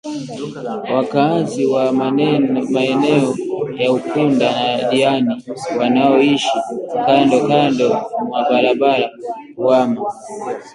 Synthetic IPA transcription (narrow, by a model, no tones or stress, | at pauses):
wakaziwa | maɛnɛɔjaukundanaɗianiwanaɔiʃikandɔkandɔmwaɓaɾaɓalauwama